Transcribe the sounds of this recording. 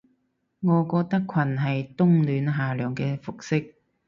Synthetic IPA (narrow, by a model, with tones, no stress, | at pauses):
ŋɔː˨˧kɔː˧k̚t̪ɐ˥kʰwɐ˨˩nɦɐ˨jt̪ʊ˥ŋlyː˨˥nɦaː˨lœː˨˩ŋkɛː˧fʊ˨k̚sɪ˥k̚